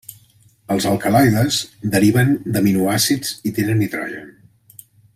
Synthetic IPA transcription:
əlˠzəlˠkəlajðəzd̪əɾiβənd̪əminuasid͡z̥it̪enənːit̪ɾɔ̰ʒə̰

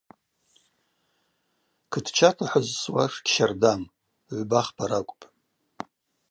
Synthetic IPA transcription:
kʰɨdʰt͡ʃʰatʰaħʷazswaʂɡʲʃardam | ʕʷbaχpʰaɾakʷʼpʼ

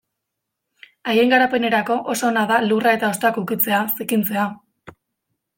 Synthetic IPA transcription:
ajeŋɡaɾape̞ne̞ɾako̞ʔoso̞ːnaðalurae̞t̪ao̞st̪akukit͡se̞asikint͡se̞a

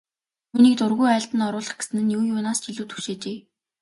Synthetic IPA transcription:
uniːk̚t̪ʊrɣujæːɬt̪ə̆nɔɾʊːɮə̆χɡesɘ̆nɘ̆njuːjʊːnaːst͡ɕiɮuːt̪xu̥ʃeːt͡ɕeː

